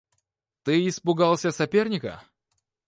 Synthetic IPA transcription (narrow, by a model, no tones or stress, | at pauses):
t̪ɨɪspʊɡalˠsʲəsɐpʲe̞rnʲɪkə̰